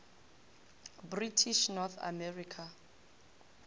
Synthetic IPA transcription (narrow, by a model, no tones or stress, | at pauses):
britʰiʃnɔθʰa̰mɛrikʰa